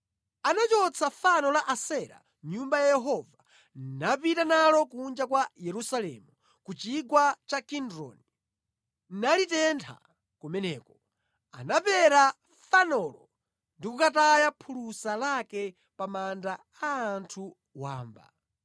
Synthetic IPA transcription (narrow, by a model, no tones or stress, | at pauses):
anat͡ʃɔt͡sʰafanɔlaʔasɛɾa̰ | ɲumbajajɛɦɔva | nnapitanalɔk̬und͡ʒakwajɛɾusalɛ̰mu | kut͡ʃiɡwat͡ʃakindɾɔ̰ni | nnalitɛntʰa̰ | kumɛnɛːkɔ | a̰napɛɾa | fanɔlɔ | ndikukatajapʰulusalakɛ | pamanda | aːntʰu | wa̰ːmba̰